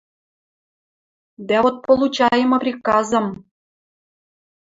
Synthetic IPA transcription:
d̪æot̪̚pŏlˠut͡ɕɑjə̆mɤ̆prʲikɑzɤ̆m

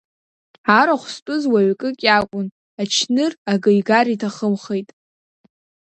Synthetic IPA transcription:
aɾaχʷspʼʊzwaɥkʼɨkʲʼakʷʼʊn | at͡ʃʰnɨraɡɨjɡaritʰaχəmχejtʼ

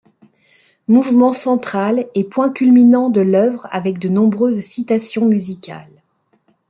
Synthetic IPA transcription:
muvmɑ̃sɑ̃t̪χalɛpwɛ̃kʲylminɑ̃d̪əlœvʁa̰vɛk̚d̪ənɔ̃bʁøzsit̪asjɔ̃myzikʲa̰l

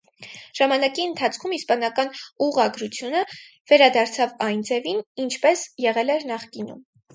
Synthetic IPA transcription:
ʒ̥ɑmɑnɑkiənt̪ʰɑt͡sʰkʰumispɑnɑkɑnuʁɑɡɾut͡sʰjunə | vɛɾɑd̪ɑɾt͡sʰɑvɑjnd͡zɛvinint͡ʃʰpɛsjɛʁɛlɛɾnɑχkinṵm

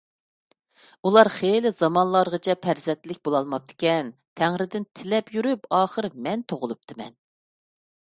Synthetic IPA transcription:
ulˠɑɾχelɪzɑmɑnlˠɑɾʁət͡ʃʰɛpʰæɾzɛnt̪lɪk̚ʲbolˠɑlˠmɑp̚t̪ʰɪ̥kʲɛnt̪ʰæŋɾɪd̪ɪnt̪ʰɪlɛpjyɾypɑːχəɾmɛnt̪ʰoʁʊlˠup̚t̪ʰɨmɛ̰n

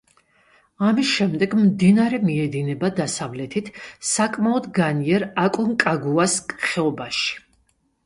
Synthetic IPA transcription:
amisʃɛmd̪ɛɡmd̪inaɾɛmiɛd̪inɛbad̪asavlɛt̪ʰit̪ʰsakʼmaɔd̪ɡaniɛɾakʼɔŋkʼaɡuaskʼχɛɔbaʃi̥

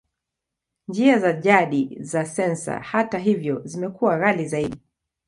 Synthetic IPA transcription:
nd͡ʒiazaʄaɗizasɛnsa̰hataɦivjɔzimɛkuwaɣalizaiɗi

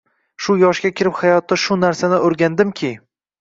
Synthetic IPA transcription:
ʃʊjɒʃɡʲakʲʰɪɾɪphajɒt̪ːaʃʊnaɾsanɪʔoɾɡʲand̪ɪmkʲʰɪ

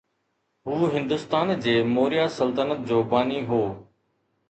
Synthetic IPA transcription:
ɦuːɦɪ̃nd̪ʊst̪aːnd͡ʑeːmoːɾijaːsəlt̪ənət̪̚d͡ʑoːbaːniːɦoː

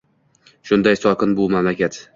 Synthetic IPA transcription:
ʃʊnd̪ajsɒqʰɨnbʊmamlakʲat̪

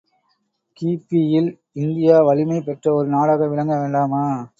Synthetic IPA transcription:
kiːpijɪl | ɪnd̪ɪjaːʋɐlɪmɐɪpɛʈrɐɔɾɯnaːɽɐɣɐʋɪɻɐŋɡɐʋeːɳɖaːmaː

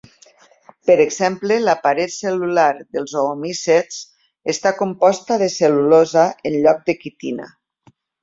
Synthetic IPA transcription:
pəɾeɡzɛmpleləpaɾet̪selulaɾðəlˠzoːmises | est̪akompɔst̪aðeselulozaenʎɔk̚d̪ekit̪ina̰

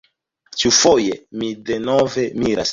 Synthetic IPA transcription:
t͡ʃiufojemide̞nove̞miɾa̰s

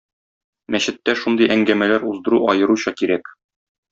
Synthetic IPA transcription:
mæɕɘ̆t̪ːæʃund̪ɤjʔæŋɡæmælæɾuzd̪ɤ̆ɾuɒjɤ̆ɾuɕɑkiɾæk

